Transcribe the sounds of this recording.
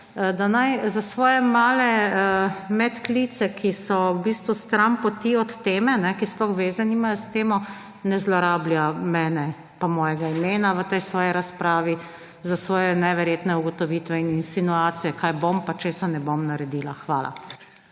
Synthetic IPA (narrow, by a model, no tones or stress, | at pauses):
d̪anajzasʋɔːjɛmaːlɛ | mɛt̪klit̪sɛkʰisɔwbiːst̪ʋust̪ɾampɔt̪iɔt̪ːeːmɛnɛkisplɔxʋeːzaniːmajɔst̪eːmɔ | nɛzlɔɾaːbljamɛːnɛ | pamɔːjɛɡaimeːnaʋət̪ɛjsʋɔːjiɾaspɾaːʋi | zasʋɔːjɛnɛʋɛɾjeːt̪nɛuɡɔt̪ɔʋiːt̪ʋɛininsinuaːt̪sijɛkajbompat͡ʃeːsanɛbomnaɾɛd̪iːlaxʋaːla̰